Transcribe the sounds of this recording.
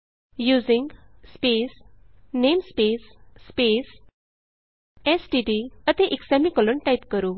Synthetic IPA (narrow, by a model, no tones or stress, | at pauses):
juːd͡ziŋɡspesnemspesːpes | esʈiɖiət̪eʔiksamikɔloɳʈaipkəɾuː